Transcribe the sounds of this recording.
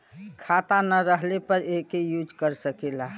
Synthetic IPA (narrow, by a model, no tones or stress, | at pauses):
kʰat̪anəɾəɦlepəɾekejud͡ʒkəɾsəkela